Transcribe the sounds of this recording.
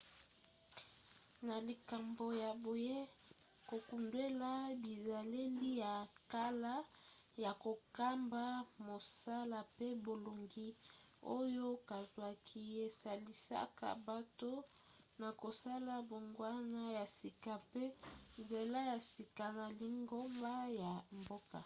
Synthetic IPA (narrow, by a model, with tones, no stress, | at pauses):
na˨li˨ka˨mbo˨ja˨bo˨je˦ | ko˨ku˨ndwe˦la˦bi˨za˨le˦li˦ja˨ka˦la˦ | ja˨ko˨ka˦mba˦mo˨sa˦la˨pe˦bo˨lo˨ŋɡi˦ | o˦jo˦ka˨zwa˨kʰi˦e˨sa˨li˦sa̰˦ka̰˨ba˨to˦ | na˨ko˨sa˦la˨bo˨ŋɡwa˦na˦ja˨si˨ka˨pe˦nze˨la˦ja˨si˨ka˨na˨li˨ŋɡo˦mba˦ja˨mbo˦ka̰˨